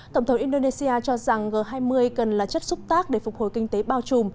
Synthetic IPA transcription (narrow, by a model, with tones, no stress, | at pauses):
t̪ə˧˩wŋ͡mt̪ʰŋ͡mʔi˧nɗo˧ne˧si˧ʔaː˧t͡ɕɔ˧za˨˩ŋɣəː˨˩ɦaː˧jmɨ˧əjkə˨˩nlaː˨˩t͡ɕə˦˥t̚zʊ˦˥k͡p̚t̪aː˦˥k̚ɗe˧˩fʊ˨˩k͡p̚ho̰˧˨jkï˧ŋ̟t̪e˨˦ɓaː˧wt͡ɕu˨˩m